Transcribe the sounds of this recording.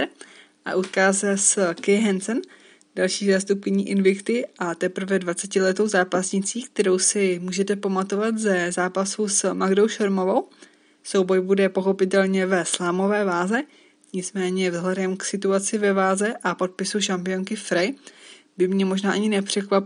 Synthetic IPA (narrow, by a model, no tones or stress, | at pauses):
ʔa̰ʔut̪kaːsɛskɛjɦɛnsɛn | d̥alʃiːzaːst̪up̚kɪɲiːʔɪnvɪkt̪ɪʔat̪ɛpɾ̩vɛdvat͡sɛcɪlɛt̪o̞wzaːpasɲɪt͡siːkt̪ɛɾo̞wsɪmuːʒɛt̪ɛpamat̪o̞vat̪zɛzaːpasusmaɡdo̞wʃoɾmo̞vo̞w | so̞wbo̞jbudɛpo̞xo̞pɪt̪ɛlɲɛvɛslaːmo̞vɛːvaːzɛ | ɲɪt͡smɛːɲɛvzɦlɛdɛmksɪt̪uat͡sɪvɛvaːzɛʔapo̞t̪̚pɪsuʃampɪjo̞ŋkɪfɾɛj | bɪmɲɛmo̞ʒnaːʔaɲɪnɛpr̝̥ɛkvap